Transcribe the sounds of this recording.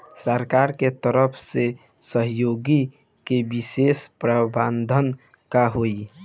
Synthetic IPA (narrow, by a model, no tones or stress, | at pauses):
səɾkaɾket̪əɾəpʰse | səɦjoɡi | kebisespɾəband̪ʱən | kaɦoi